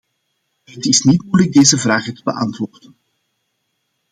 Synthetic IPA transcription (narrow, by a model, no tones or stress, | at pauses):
ɦətɪsnitmujləɡ̚deːzəvraːχətəbə̰ʔɑ̰ntʋoːrdən